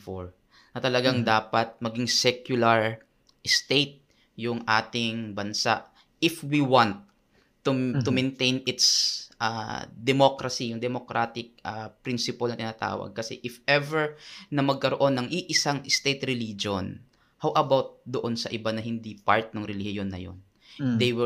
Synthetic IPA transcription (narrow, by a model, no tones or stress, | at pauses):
foɹ | nɐt̪ɐlɐɡaŋd̪aːpɐt̪̚mɐɡiŋsɛkjʊlɐɹ | ʔɪst̪ejt̪̚ | jʊŋʔaːt̪ɪŋbɐnsa̰ʔ | ɪfwiwant̪̚ː | ut̪ʊmɛnt̪ejnɪt̪sʔa̰d̪ɛmokɾɐsijʊŋd̪ɛmokɾʔat̪ɪk̚apɾɪnsɪpɐlnɐt̪ɪnat̪a̰ːwɐ̰ɡ̚kɐsɛ̰ʔɪfɛvɛɹnɐmɐɡ̚kɐɾoʔo̞nːɐŋʔiʔɪsaŋʔɪst̪ejt̪ɾɛlid͡ʒon | hawʔɐbawt̪̚d̪oʔo̞nsɐʔɪbanɐhɪnd̪ipaɹt̪̚nɐŋɾɪlɪhɪjonːɐ̰jo̰n | d̪ejwɪ